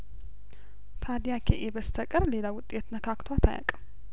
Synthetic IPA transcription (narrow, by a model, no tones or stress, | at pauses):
t̪ʰad̪ijakʰeʔebəst̪ʰəkʼɨɾle̞lawʊt̪ʼːet̪nəkʰakt̪ʰwat̪ʰa̰ja̰kʼ